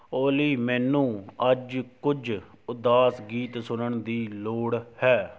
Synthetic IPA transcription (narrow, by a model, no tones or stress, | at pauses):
oːliːmɛːnũːəd͡ʒkʊd͡ʒ | ʊd̪aːsɡiːt̪sʊnəɳd̪iːloːɽhɛː